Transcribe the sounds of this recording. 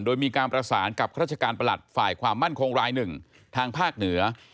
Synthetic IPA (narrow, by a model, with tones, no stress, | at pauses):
ndoː˧jmiː˧kaː˧npɾa˧saː˩˦nka˨˩ɾ̚t͡ɕʰa˧kaː˧npa˧la̰˨˩t̪̚faː˨˩jkʰwaː˧mːa˥˩nkʰo˧ŋɾaː˧jnɯ˨˩ŋ | t̪ʰaː˧ŋpʰaː˥˩k̚nɯ˩˦ɐ